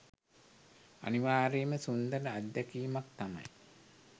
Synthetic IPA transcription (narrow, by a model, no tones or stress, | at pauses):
ɐ̰niʋaːɾeːməsund̪ənəad̪ːakiːmak̚t̪ama̰j